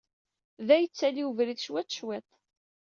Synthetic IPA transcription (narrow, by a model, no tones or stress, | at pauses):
ðæjət͡sːæliwəvɾiθʃwæt͡sːʃwet̪ˤ